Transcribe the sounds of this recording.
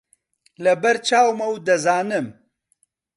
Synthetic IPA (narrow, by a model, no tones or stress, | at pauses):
lɐbɐɾt͡ʃaːwmɐwd̪ɐzaːnɨm